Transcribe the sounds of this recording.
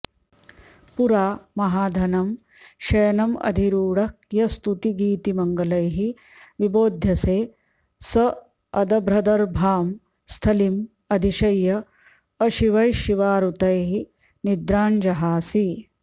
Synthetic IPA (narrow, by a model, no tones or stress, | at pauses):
puɾaːmɐɦaːd̪ʱɐnɐm | ʃɐːnɐmɐ̰d̪ʱiɾuːɽɐkjɐst̪ut̪iɡiːt̪imɐŋɡɐlɐjɦi | ʋiboːd̪ʱjɐseː | sɐ | ɐd̪ɐbɾɐd̪ɐɾbʱaːm | st̪ʰɐlim | ɐd̪ʱiʃɐjːɐ | ɐʃiʋɐjʃiʋaːɾut̪ɐjɦi | nid̪ɾaːnd͡ʒɐɦaːsi